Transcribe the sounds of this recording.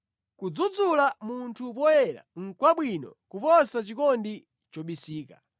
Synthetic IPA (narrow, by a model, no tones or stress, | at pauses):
kud͡zud͡zulamuntʰup̬ɔjɛɾa̰ŋ̩kwaɓwinɔ̰kupɔsat͡ʃikɔndi | t͡ʃɔɓisiːka